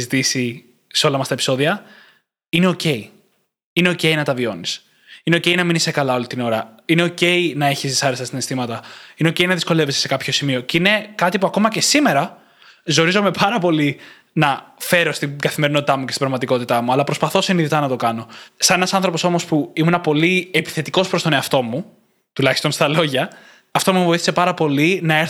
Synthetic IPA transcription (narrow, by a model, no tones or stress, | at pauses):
zit̪isi | seo̞lɐmɐst̪ɐepi̥so̞ðiɐ | ine̞o̞ce̞i | ine̞o̞ce̞inɐt̪ɐvio̞nis | ine̞o̞ce̞jnɐminisekɐlɐo̞lit̪ino̞ɾɐine̞o̞ce̞inɐe̞çisisɐɾesɐst̪inest̪imɐt̪ɐine̞o̞ceinɐðisko̞le̞vesi̥sekɐpço̞simio̞ceine̞kɐt̪ipuɐko̞mɐce̞sime̞ɾɐ | zo̞ɾizo̞me̞pʰɐɾɐpo̞li | nɐfe̞ɾo̞st̪iɡɐθime̞ɾino̞t̪it̪ɐmuce̞st̪ibɾɐvmɐt̪iko̞t̪it̪ɐmuɐlɐpɾo̞spɐθo̞siniðit̪ɐnɐt̪o̞kɐno̞sɐne̞nɐsɐnθɾo̞po̞so̞mo̞spuimunɐpo̞liepi̥θe̞t̪iko̞spɾst̪o̞ne̞ɐft̪o̞mu | t̪ulɐçi̥st̪o̞nst̪ɐlo̞ʝɐː | ft̪o̞muevo̞iθi̥se̞pɐɾɐpo̞linɐeɾ